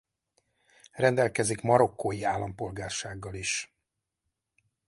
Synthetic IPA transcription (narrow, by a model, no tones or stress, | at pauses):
rɛnd̪ɛlkɛzikmɒɾo̞kːojiaːlːɒmpo̞lɡaːrʃaːɡːɒliʃ